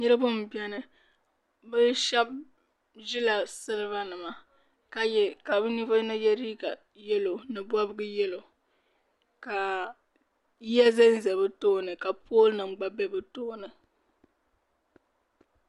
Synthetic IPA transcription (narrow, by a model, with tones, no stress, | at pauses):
ɲɨ˦ɾɨ˦bʊ˦m˨bi˦ɛ˦nɨ˦ | bɨ˦ʃɛ˦b̚ | ʒi˦la˨sɨ˦lɨ˦βa˦nɨ˨ma˦ | ka˨jɛ˦˨ka˨bɨ˦ni˦va˦nɨ˦jɛ˦ɾiː˦ɡa˨ | jɛ˦lo˨nɨ˨bwa˦bɨ˦ɡɨ˦jɛ˦lo˨ | ka˨ | jɛ˦zɛ˦n˦zɛ˨βɨ˦to˦˨nɨ˨ka˨poː˦lnɨ˨ŋ͡m̩˨ɡ͡ba˨bɛ˦bɨ˦toː˦nɨ˨